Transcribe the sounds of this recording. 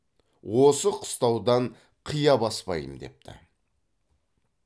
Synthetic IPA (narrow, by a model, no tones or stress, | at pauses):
wo̞səqʰʊ̥st̪ɑwd̪ɑɴ | qʰijɑbɑspɑ̰jə̰md̪e̞̰p̚t̪ʰɪ̰